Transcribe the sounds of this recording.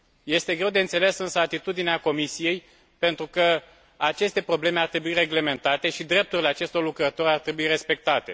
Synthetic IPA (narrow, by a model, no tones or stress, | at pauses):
je̞st̪e̞ɡɾe̞wd̪e̞ɨnt̪se̞le̞sɨnsəat̪it̪ud̪ineako̞misije̞j | pe̞nt̪ɾukə | at͡ʃe̞st̪e̞pɾo̞ble̞me̞art̪ɾe̞buireɡle̞me̞nt̪at̪e̞ʃid̪ɾe̞p̚t̪uɾile̞at͡ʃe̞st̪o̞rlukɾət̪o̞ɾʲart̪ɾe̞buire̞spe̞k̚t̪at̪e̞̰